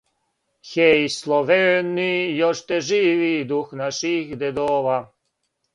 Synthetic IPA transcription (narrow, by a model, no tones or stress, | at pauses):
xʲɛjslˠɔvɛɻnːijɔʂt̪ɛʐivid̪uxnaʂixd̪ɛd̪ɔva